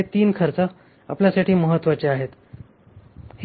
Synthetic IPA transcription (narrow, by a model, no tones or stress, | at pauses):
et̪iːnkʰəɾt͡sə | a̰pljasaʈʰiːməɦət̪ːʋat͡ɕeaɦet̪ | h